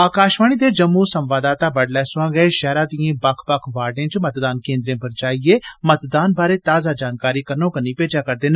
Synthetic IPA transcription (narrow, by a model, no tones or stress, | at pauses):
aːkaːʃʋaːniːd̪eːd͡ʒəmːuːsəmʋaːd̪aːt̪aːbəɖlɛːsʊãːɡɛeʃɛːɾaːd̪ijẽːbəkʰbəkʰʋaːɖẽːt͡ʃmət̪d̪aːnkẽːnd̪ɾẽːpəɾd͡ʒaːieːmət̪d̪aːnbaːɾeːt̪aːzaːd͡ʒaːnkaːɾiːkəɾnõːkəniːpeːd͡ʒaːkəɾd̪eːn